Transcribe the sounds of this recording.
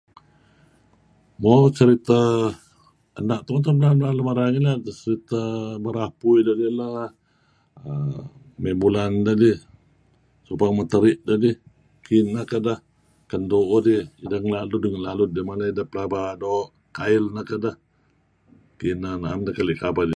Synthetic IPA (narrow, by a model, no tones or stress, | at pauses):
mot͡ʃəɾit̪a | ənaʔ̚t̪ut̪amlamlaləmaɾaŋiladət͡ʃəɾit̪əbəɾapuidodila | ə | mebulandədi | supaŋmət̪əɾɪʔ̚dədi | kinːəkədəh | kəndoʔodiidəŋlaludəŋanlalʊt̪̚dimalaidəpəlabadoʔ | kaɪlnəkədəh | kinanaːmdəkaliʔkabadi